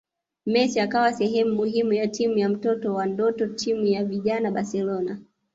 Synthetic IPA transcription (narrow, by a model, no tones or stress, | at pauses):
mɛsiakawasɛɦɛmumuɦimujatimujam̩tɔtɔwandɔtɔtʰimujaviʄanaɓasɛlɔna